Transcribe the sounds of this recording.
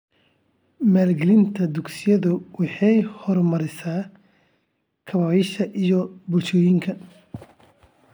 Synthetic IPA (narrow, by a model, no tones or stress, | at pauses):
maːlɡɛlɪnt̪ʰɐd̪ʊɡsɪjɐðʊwɑħɑjhɔrmɐɾɪsaː | kʰɐβaːjɪʃɐʔijɔbʊlt͡ʃɔːjɪŋkʰɐ